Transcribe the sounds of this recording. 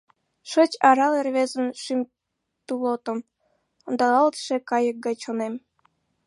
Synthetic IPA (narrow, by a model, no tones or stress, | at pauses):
ʃət͡ɕɑɾɑlerβezə̆nʃim | t̪ulot̪ə̆m | ŏnd̪ɑlɑlt̪ʃekɑjək̚ɡɑjt͡ɕonem